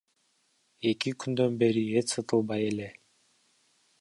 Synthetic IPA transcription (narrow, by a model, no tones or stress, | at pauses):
e̞kikʰynd̪ø̞nbe̞ɾiet͡ʃsɯt̪ɯlˠbɑje̞le̞